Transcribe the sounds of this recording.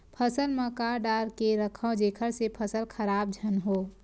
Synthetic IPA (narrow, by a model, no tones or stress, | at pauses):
pʰəsəlməkaːɾɖaːɾkeɾəkʰə̃d͡ʒeːkʰəɾsepʰəsəlkʰəɾaːb̚d͡ʒʱənɦoː